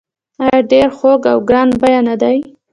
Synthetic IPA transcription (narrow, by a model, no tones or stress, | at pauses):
ɑjɑɖeɾxoɡawɡɾɑnbajanad̪aj